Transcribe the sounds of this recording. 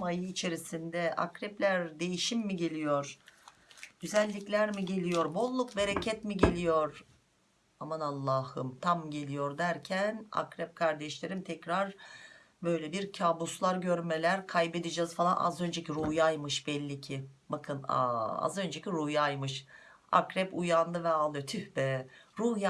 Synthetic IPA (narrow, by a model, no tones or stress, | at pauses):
majɯːt͡ʃʰe̞ɾisind̪ɛa̰kɾɛplʲæɾd̪e̞jiʃimːiɟe̞lʲijoɾ | ɟ̥̪yzælʲːiclʲæɾmiɟe̞lʲijo̞ɾbo̞lˠːuk̚be̞ɾecʰɛt̪miɟe̞lʲijo̞ɾ | amanalˠːaːhɯmt̪ʰamɟe̞lʲijo̞ɾd̪æɾcʰæna̰kɾɛp̚kʰaɾd̪ɛʃlʲe̞ɾimt̪ʰɛcɾaɾ | bø̞jlʲɛbiɾcʰaːbuslˠaɾɟø̞ɾmelʲæɾkʰajbe̞d̪id͡ʒɛzfalˠa̰nʔa̰zø̞nd͡ʒeciɾujajmɯʃbɛlʲːicʰibakʰɯna̰a̰zø̞nd͡ʒeciɾujajmɯʃ | a̰kɾɛpujand̪ɯvɛalˠdɯt̪ʰyhbɛɾuja